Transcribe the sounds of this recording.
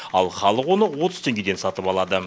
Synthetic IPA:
ɑlˠχɑlˠəqwo̞nəwo̞t̪əz̥t̪ʰe̞ŋɡʲe̞d̪e̞nsɑt̪əpɑlˠɑd̪ə

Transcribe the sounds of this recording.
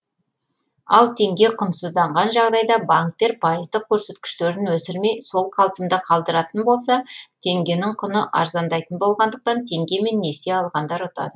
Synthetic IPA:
ɑlˠt̪ʰe̞ŋɡʲe̞qʰənsəzd̪ɑɴʁɑnʒɑʁd̪ɑjd̪ɑbaŋk̚t̪e̞ɾpʰɑjəzd̪əq̚kʲʰɵɾse̞t̪kʲɪ̥ʃt̪e̞ɾɪnwɵsɪɾme̞jso̞lˠqʰɑlˠpənd̪əqʰɑlˠd̪əɾɑt̪ənbo̞lˠsɑt̪ʰe̞ŋɡʲe̞nɪŋqʰʊnəʔɑ̰ɾzɑnd̪ɑjt̪ənbo̞lˠʁɑnd̪əq̚t̪ɑnt̪ʰe̞ŋɡʲe̞me̞nːe̞se̞ɑlˠʁɑnd̪ɑɾʊt̪ɑ̰d̪ə

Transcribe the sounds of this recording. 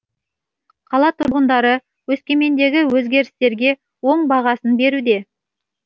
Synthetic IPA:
qʰɑlˠɑt̪ʰʊʁənd̪ɑɾə | wɵskʲe̞me̞nd̪e̞ɡʲɪwɵzɡʲe̞ɾɪst̪e̞ɾɡʲe̞ | wo̞ɴbɑʁɑsənbe̞ɾud̪e̞

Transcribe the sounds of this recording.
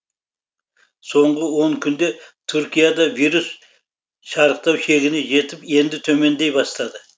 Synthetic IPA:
so̞ɴʁəwo̞ɴkʲʰʏnd̪e̞t̪ʰʏɾkʲijɑd̪ɑvijɾus | ʃɑɾəq̚t̪ɑwʃe̞ɡʲɪne̞ʒe̞t̪ɪpje̞nd̪ɪt̪ʰɵme̞nd̪e̞jbɑst̪ɑd̪ə

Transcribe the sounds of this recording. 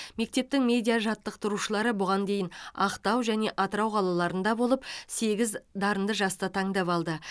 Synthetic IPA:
me̞k̚t̪e̞p̚t̪ɪŋmʲe̞d̪ijaʒɑt̪ːəq̚t̪ʊɾuʃəlˠɑɾəbʊʁɑnd̪e̞jɪnɑqt̪ɑwʒæne̞ʔɑt̪əɾɑwqʰɑlˠɑlˠɑɾənd̪ɑbo̞lˠəp̚se̞ɡʲɪzd̪ɑɾənd̪əʒɑst̪ɑt̪ʰɑɴd̪ɑpɑlˠd̪ə

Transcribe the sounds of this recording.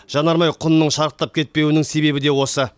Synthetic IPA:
ʒ̥ɑnɑɾmɑjqʰʊnənːəɴʃɑɾəqt̪ːɑp̚kʲʰe̞t̪̚pe̞wɪnɪŋse̞be̞bɪd̪e̞wo̞sə

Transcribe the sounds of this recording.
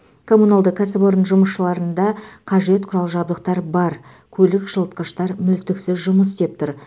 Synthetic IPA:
kʰo̞munalˠd̪əqkʰæsɪboɾənʒʊməsʃəlˠɑɾənd̪ɑqʰɑʒe̞t̪̚qʰʊɾɑlˠʒɑbd̪əq̚t̪ɑɾbɑɾ | kʲʰɵlɪkʒ̥əlˠt̪̚qəʃt̪ɑɾmʏlt̪ɪksɪzʒʊməst̪ep̚t̪ʰʊɾ

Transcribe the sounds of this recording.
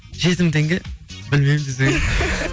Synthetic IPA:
ʒe̞t̪ɪmt̪ʰeŋɡʲɪbɪlmejmmd̪ezeɡ

